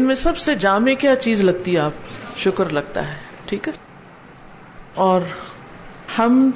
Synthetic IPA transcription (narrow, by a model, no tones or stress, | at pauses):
ɪnmẽsɐbsed͡ʒaːmẽkjaːt͡ʃiːzlɐɡ̚t̪iɦɛaːp̚ʃʊkəɾlɐɡ̚t̪a̰ɦɛː | ʈʰiːkɦɛ | ɔːɾ | hɐm